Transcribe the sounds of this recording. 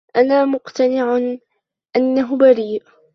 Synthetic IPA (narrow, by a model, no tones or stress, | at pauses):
ʔanaːmʊqt̪anɪʕ | ʔanːaɦʊbaɾiːʔ